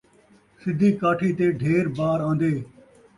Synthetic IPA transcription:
sɪd̪ʱiːkaːʈʰiːt̪eːɖʱeːɾbaːɾãːnd̪eː

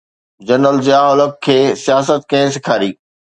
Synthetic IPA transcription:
d͡ʑɐnəld͡ʑjaːɦɔləkkʰːeːsijaːsət̪kɐ̃ɦɪ̃sɪkʰaːɾiː

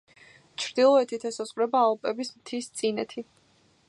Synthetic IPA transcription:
t͡ʃʰɾd̪ilˠɔɛt̪ʰit̪ʰɛsɔsʼqʼvɾɛbaːlˠpʼɛbismt̪ʰist̪sʼinɛt̪ʰi

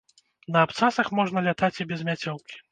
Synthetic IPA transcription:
nɐːpt̪sasɐxmɔʐnɐlʲat̪at͡sʲibʲɛzmʲat͡sʲɔwkʲi̥

